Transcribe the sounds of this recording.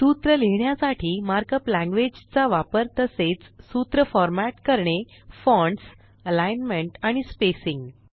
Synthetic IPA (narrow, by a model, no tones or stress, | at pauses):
sut̪ɾəleɳjasaʈʰiːmaɾkəplæ̃ŋɡʋed͡ʑt͡saʋapəɾt̪əset͡ssut̪ɾəfɔɾmaʈkəɾɳe | fɔ̃ɳɖs | əlajnmeɳʈaɽ̃ispesiŋɡ